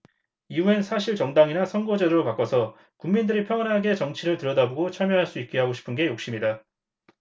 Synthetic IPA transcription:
iuensʰaɕʰiɭt͡ɕʌŋdaŋinasʰʌŋɡʌd͡ʑedɯɾopak͈ʌsʰʌ | kuŋmindɯɾipʰjʌŋʌnɦaɡe̞t͡ɕʌŋt͡ɕʰiɾɯɭtɯɾʌdabuɡot͡ɕʰamjʌɦaɭs͈uit̚k͈e̞ɦaɡoɕʰi̥pʰɯnɡe̞jok̚ɕ͈imɲida

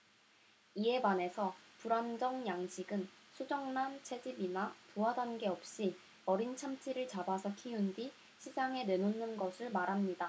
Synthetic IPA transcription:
ie̞bane̞sʰʌpuɾand͡ʑʌŋjaŋɕʰiɡɯnsʰud͡ʑʌŋnant͡ɕʰe̞d͡ʑibinapuɦadanɡe̞ʌp̚ɕ͈i | ʌɾint͡ɕʰamt͡ɕʰiɾɯɭt͡ɕabasʰʌkʰiundi | ɕʰisʰaŋe̞ne̞nonːɯnɡʌsʰɯɭmaɾɦamɲida

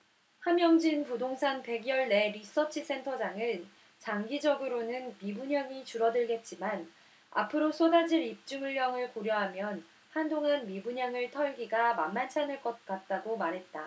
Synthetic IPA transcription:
hamjʌŋd͡ʑinpudoŋsʰanpe̞ɡjʌɭne̞ɾis͈ʌt͡ɕʰis͈ʰe̞ntʰʌd͡ʑaŋɯn | t͡ɕaŋɡid͡ʑʌɡɯɾonɯnmibuɲaŋit͡ɕuɾʌdɯɭɡe̞t̚t͡ɕ͈iman | a̰pʰɯɾosʰodad͡ʑiɾip̚t͡ɕ͈uŋɯɭjʌŋɯɭkoɾjʌɦamjʌn | handoŋanmibuɲaŋɯɭtʰʌɭɡiɡamanːant͡ɕʰanɯɭk͈ʌt̚k͈at̚t͈aɡomaɾɦe̞t̚t͈a

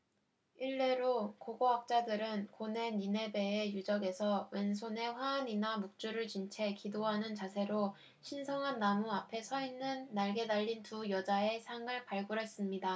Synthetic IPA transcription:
iɭːe̞ɾokoɡoɦak̚t͡ɕ͈adɯɾɯnkone̞nine̞be̞ːjud͡ʑʌɡe̞sʰʌwens̬ʰone̞ɸwaːɲinamuk̚t͡ɕ͈uɾɯɭt͡ɕint͡ɕʰe̞kidoɦanɯnt͡ɕasʰe̞ɾo | ɕʰinsʰʌŋɦanːamuapʰe̞sʰʌinːɯnːaɭɡe̞daʎːintujʌd͡ʑae̞sʰaŋɯɭpaɭɡuɾe̞s͈ɯmɲida

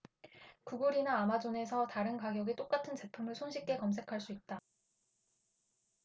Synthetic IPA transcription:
kuɡuɾinaːmad͡ʑone̞sʰʌtaɾɯnkaɡjʌɡit͈ok͈atʰɯnt͡ɕe̞pʰumɯɭsʰonɕʰik̚t͈e̞kʌms̬ʰe̞kʰaɭs͈uit̚t͈a

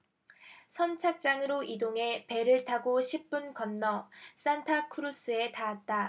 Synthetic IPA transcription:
sʰʌnt͡ɕʰak̚t͡ɕ͈aŋɯɾoidoŋe̞pe̞ɾɯɭtʰaɡoɕʰip̚p͈unkʌnːʌs͈antʰakʰɯɾus͈ʰɯe̞taat̚t͈a

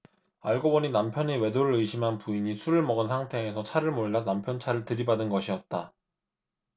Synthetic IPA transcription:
aɭɡobʌɲinampʰjʌnewe̞doɾɯɾɯiɕʰimɦanpuiɲisʰuɾɯɭmʌɡɯnsʰaŋtʰe̞ːsʰʌt͡ɕʰaɾɯɭmoɭːanampʰjʌnt͡ɕʰaɾɯɭtɯɾibadɯnɡʌɕʰiʌt̚t͈a

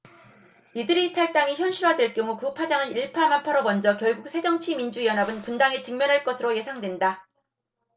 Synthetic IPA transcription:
idɯɾiːtʰaɭt͈aŋiçjʌnɕʰiɾɦwadweɭk͈jʌŋukupʰad͡ʑaŋɯniɭpʰamanpʰaɾomʌnd͡ʑʌkjʌɭɡuk̚sʰe̞d͡ʑʌŋt͡ɕʰimind͡ʑuijʌnabɯnpundaŋet͡ɕɯŋmjʌnɦaɭk͈ʌsʰɯɾoje̞sʰaŋdwe̞nda

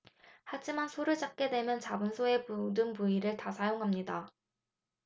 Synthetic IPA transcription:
had͡ʑimansʰoɾɯɭt͡ɕak͈e̞dwe̞mjʌnt͡ɕabɯnsʰoe̞pudɯnpuiɾɯɭtasʰajoŋɦamɲida

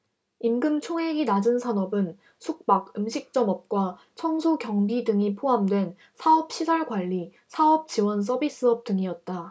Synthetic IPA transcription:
imɡɯmt͡ɕʰoŋɦeŋinad͡ʑɯnsʰanʌbɯn | sʰuk̚p͈aɡɯmɕʰik̚t͡ɕ͈ʌmʌp̚k͈wa | t͡ɕʰʌŋsʰokjʌŋbidɯŋipʰoɦamdwe̞n | sʰaʌp̚ɕʰisʰaɭɡwaʎːi | sʰaʌp̚t͡ɕiwʌns̬͈ʌbis͈ɯʌp̚t͈ɯŋiʌt̚t͈a

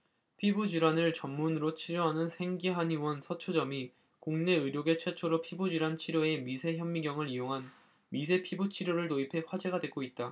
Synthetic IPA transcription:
pʰibud͡ʑiɾanɯɭt͡ɕʌmːunɯɾot͡ɕʰiɾjoɦanɯnsʰe̞ŋɡiɦaniwʌnsʰʌt͡ɕʰod͡ʑʌmi | koŋne̞ɯɾjoɡe̞t͡ɕʰwet͡ɕʰoɾʌpʰibud͡ʑiɾwant͡ɕʰiɾjoe̞misʰe̞çjʌmːiɡjʌŋɯɾijoŋɦan | misʰe̞pʰibut͡ɕʰiɾjoɾɯɭtoipʰe̞ɸwad͡ʑe̞ɡadwek͈oit̚t͈a

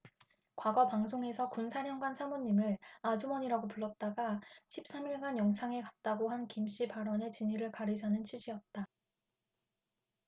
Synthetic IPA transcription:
kwaɡʌpaŋsʰoŋe̞sʰʌkunsʰaɾjʌŋɡwansʰamoɲːimɯɾad͡ʑumʌɲiɾaɡopuɭːʌt̚t͈aɡaɕʰip̚s͈amiɭɡanjʌŋt͡ɕʰaŋe̞kat̚t͈aɡoɦankimɕ͈ipaɾʌnet͡ɕiɲiɾɯɭkaɾid͡ʑanɯnt͡ɕʰid͡ʑiʌt̚t͈a

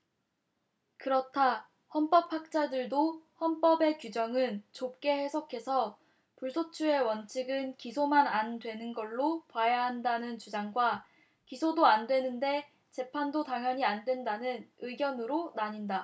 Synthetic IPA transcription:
kɯɾʌtʰa | hʌnp͈ʌp̚ʰɸak̚t͡ɕ͈adɯɭdohʌnp͈ʌbe̞kud͡ʑʌŋɯnt͡ɕop̚k͈e̞he̞sʰʌkʰe̞sʰʌ | puɭsʰot͡ɕʰue̞wʌnt͡ɕʰiɡɯnkisʰomanandwe̞nɯnɡʌɭːopwajaɦandanɯnt͡ɕud͡ʑaŋɡwa | kisʰodoandwe̞nɯnde̞ | t͡ɕe̞pʰandotaŋjʌɲiandwe̞ndanɯnɯɡjʌnɯɾonaɲinda

